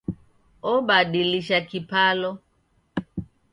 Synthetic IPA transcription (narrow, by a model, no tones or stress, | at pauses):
ɔɓaɗiliʃakipalɔ